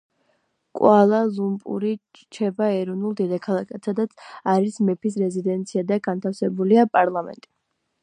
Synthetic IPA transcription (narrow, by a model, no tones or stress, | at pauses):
kʼwalˠazumpʼṵɾi | t͡ʃʰɛbaɛɾɔvnulˠd̪id̪akʰalˠakʰasad̪at̪sʰaɾismɛpʰisɾɛzid̪ɛnt̪sʰiad̪aɡant̪ʰafsɛbuliapʼaɾlˠamɛ̰nt̪ʼi